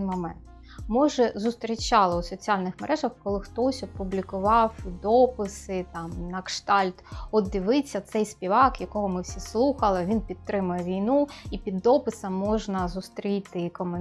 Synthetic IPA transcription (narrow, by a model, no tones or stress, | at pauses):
nmɔmɛnt̪ | mɔʒɛzʊst̪ɾʲit͡ʃɑlˠɪʊsɔt͡sʲialʲnɪxmeɾʔɛʒɐxkɔlˠɪxt̪ɔsʲɔpʊblʲikʊʋɑwd̪ɔpɪsɪt̪ɑmnɐkʂt̪ɑlʲt̪ɔd̪ɪʋɪt͡sʲːɐt̪sɛjspʲiʋɑkjɐkɔɦɔmɪwsʲislˠuxɐlˠɪʋʲinpʲit̪ːɾɪmʊjɛʋʲijnuipʲid̪ːɔpɪsɐmːɔʒnɐzʊst̪ɾʲit̪ɪkɔmen